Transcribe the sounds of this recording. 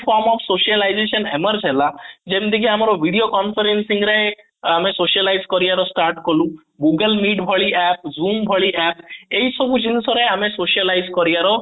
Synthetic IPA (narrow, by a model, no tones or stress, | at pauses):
pʰɔɾmɔpʰsoʃialajd͡ʒeʃɔneməɾd͡ʒɦelad͡ʒemd̪ekʰiamɔɾɔbʱiɽiokɔnpʰeɾensiŋɾe | amesoʃalajzkɔɾiaɾɔsʈaɾʈkɔlũ | ɡuɡəlmiɖbʱɔɭiɛp̚zumbʱɔɭiɛpejsɔbʱud͡ʒinisɔɾeamesoʃialajzkɔɾiaɾɔ